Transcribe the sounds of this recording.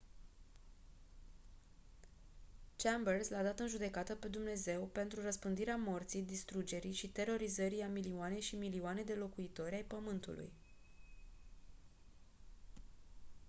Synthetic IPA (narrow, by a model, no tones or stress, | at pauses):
t͡ʃɛmbərslad̪at̪ɨnʒud̪e̞kat̪əpe̞d̪umne̞ze̞wpe̞nt̪ɾurəspɨnd̪iɾeamo̞rt̪sijd̪ist̪ɾud͡ʒe̞ɾiʃit̪e̞ɾo̞ɾizəɾiamilioane̞ʃimilioane̞d̪e̞lo̞kuit̪o̞ɾʲajpəmɨnt̪ṵlṵj